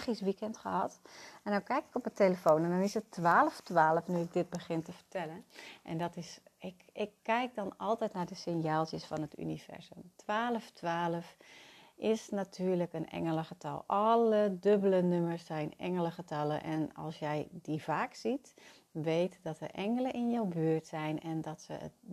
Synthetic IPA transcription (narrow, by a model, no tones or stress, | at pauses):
χisʋikɛntχəɦɑtɛndawkɛjkɪ̥kɔpəteləfoːnɛndɔnɪsətːʋaːləftʋaːləfnyɪk̚dɪt̚bəχɪntəfərtʰɛlənʔɛ̰ndɔtɪsɪkɪkːɛjk̚dɔnɑlˠtɛjtnardəsɪnjaːlˠsjəsfɔnəty̰niv̥ɛ̰ɹzə̰mtʋaːləftʰʋaːləf | ʔɪsnatʰyːɹləkənɛ̰ŋələχətɑ̰lˠʔɑlədøbələnøməsɛjnɛ̰ŋələχətɑlˠəʔɛ̰nɑ̰lˠsjɛjdivaːksit | ʋejtdɔtəʔɛŋələnʔɪnjawbyːrtsɛjnɛndɔtsə̰ə̰t